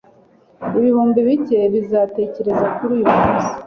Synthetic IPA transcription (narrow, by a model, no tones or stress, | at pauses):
iβihuːmbiβice̞βizaːte̞ːce̞ɾe̞zakuɾuːjumuːsi̥